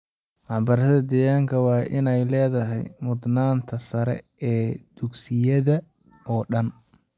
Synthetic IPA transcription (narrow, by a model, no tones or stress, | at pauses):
mɑħbɐɾɐðɐd̪ɛːɣaːŋkʰɐwɑːʔɪ̰nɛjlɛːðɐɦɛ̰jmʊd̪naːnt̪ʰɐsɐɾɛ̰ | ɛːd̪̥ʊɡsɪjɐðɐ | ɔːɗɐn